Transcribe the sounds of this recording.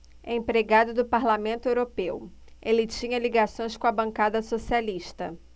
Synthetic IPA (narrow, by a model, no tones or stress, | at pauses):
ḛ̃pɾeɡad̪ʊd̪ʊpaɾlamẽnt̪ʊewɾopewelɪt͡ʃĩɲɐliɡasõj̃skõɐbɐ̃ŋkad̪ɐsosialiʃt̪ɐ̰